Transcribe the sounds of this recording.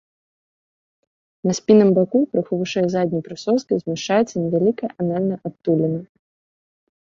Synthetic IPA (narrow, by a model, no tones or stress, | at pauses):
nɐsʲpʲinɨmbakupɾɨxɨvɨʂɛjzad̪ʲnʲijpɾɨsɔskʲɨzʲmʲɛʂt͡ʂajɛt̪sːɐnʲɛvʲalʲikɐʔanalʲnɐʔat̪ːulʲɛnɐ